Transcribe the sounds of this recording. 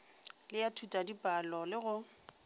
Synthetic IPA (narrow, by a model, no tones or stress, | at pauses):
lɪjatʰutʼadipʼalɔlɪɣʊ